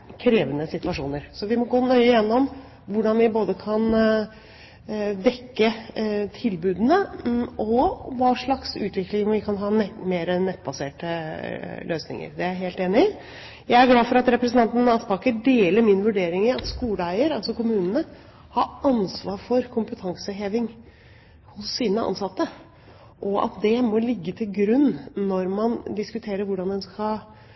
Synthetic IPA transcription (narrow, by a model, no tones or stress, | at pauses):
kʰɾeːʋənəsɪt̪ʋɑʂṵːnəɾsɔʋɪmɔɡoːnœʏəjɛnːɔm | ʋʊɖɑnʋɪboːd̪əkʰɑn | d̪ɛkːət̪ʰɪlbʉːd̪ənəɔʋɑːʂɭɑksʉ̰ːt̪ʋɪklɪŋʋɪkʰɑnɦɑːnɛmeːɾɛnːɛt̪ːbɑseːʈə | løːsnɪ̰ŋə̰ɾd̪ɛæɾɦeːlt̪eːnɪ | jæɪæɾɡlɑːʋfɔɾɑt̪ɾɛpɾəsənt̪ɑnt̪n̩ɑspɑkəɖ̪eːləɾmɪnʋʉɖeːɾɪŋɪɑt̪skuːlæɪəɾɑlsɔkʊmʉːnənə | hɑɾɑnsʋɑːɾfɔɾkʰʊmpət̪ʰɑŋsəɦeːʋɪŋ | hʊsːiːnəʔɑ̰nsɑt̪ːə | ʔɔʔɑ̰t̪d̪ɛmɔlɪɡːət̪ʰɪlɡɾʉnːɔɾmɑnd̪ɪskʉt̪ʰeːɾəɾʋʊɖɑnd̪ɛnskɑ